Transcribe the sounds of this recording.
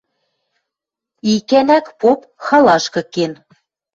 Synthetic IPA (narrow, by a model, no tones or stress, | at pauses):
ikænækpop | xɑlɑʃkɤ̆ken